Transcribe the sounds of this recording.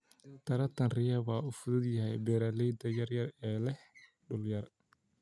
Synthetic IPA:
t̪ʰɐɾɐt̪ʰɐnrɪjɐβɑːuːfʊðʊd̪jɐɦɛjbɛːɾalɛjd̪ɐjɐrjɐrɛːlɛh | ɖʊljɐr

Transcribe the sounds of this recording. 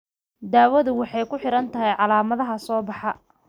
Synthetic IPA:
d̪aːwɐðʊwɑħɑjkʰʊħɪɾɐnt̪ʰɐɦɛjʕɑlaːmɐðɐɦɐsɔːbɑħɑ

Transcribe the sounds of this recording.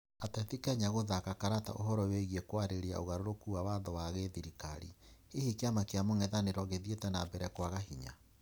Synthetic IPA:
atɛtikɛɲaɣoðakakaɾata̰ʔoɦɔɾɔweɣiekwaɾeɾea̰oɣaɾoɾokuawaðɔwaɣeðiɾika̰ɾḭehikeamakeamoŋɛðaneɾɔɣeðietɛnabɛɾɛkwaɣahiɲa̰

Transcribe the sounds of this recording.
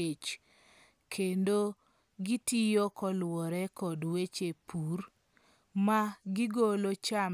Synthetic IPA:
et͡ʃ | kʰendo | ɡitijɔkɔlwɔɾɛkɔdwet͡ʃepʰur | maɡɪɡolot͡ʃam

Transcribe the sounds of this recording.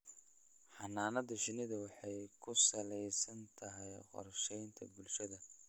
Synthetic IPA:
ħɑnaːnɐðɐʃɪnɪðɐwɑħɑjkʰʊsɐlɛjsɐnt̪ʰɐɦɛjqɔ̰rʃɛjnt̪ʰɐ̰bʊlʃɐðɐ

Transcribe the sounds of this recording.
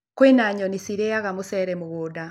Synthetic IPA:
kwenaɲɔnisiɾejaɣamusɛɾɛmuɣuda

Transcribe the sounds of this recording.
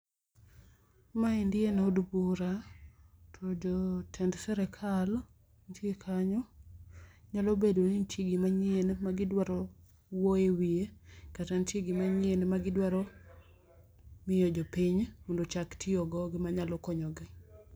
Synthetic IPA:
maɪndɪenodubuɾa | tʰɔd͡ʒɔtʰɛndsɛɾɛkʰal | nt͡ʃekʰaɲɔ | ɲalobedonint͡ʃiɡimaɲɪenmaɡɪdwaɾɔ | woewiekatant͡ʃiɡimaɲɪenmaɡɪdwaɾɔ | mɪjɔd͡ʒɔpiɲmondot͡ʃaktʰɪɔɡɔɡɪmaɲalɔkɔɲɔɡɪ

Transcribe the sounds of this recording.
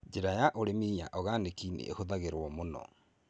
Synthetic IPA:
d͡ʒeɾajaʔoɾemiaʔɔɣanekinḛʔḛhoðaɣeɾwɔmonɔ̰

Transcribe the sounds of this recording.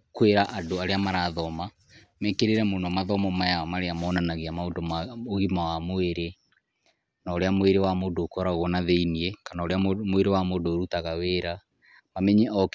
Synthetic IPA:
kweɾaʔadoaɾeamaɾaðɔma | mɛkeɾeɾɛmonɔmaðɔmɔmajaɔmaɾeamɔːnanaɣeamaodomaoɣimawamoeɾe | naoɾeamoeɾewamodoːkɔɾaɣɔnaðeiniekanaoɾeamweɾewamodoːɾutaɣaweɾa | mamɛɲɛɔk

